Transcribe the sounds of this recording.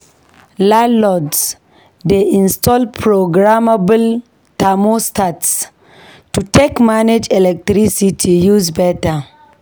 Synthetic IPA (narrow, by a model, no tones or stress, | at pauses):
lalɔds | deĩnstɔlpʰɾoɡɾamabəl | tamostats | tutekmaned͡ʒɛlɛk̚tɾisitʰijuzbɛta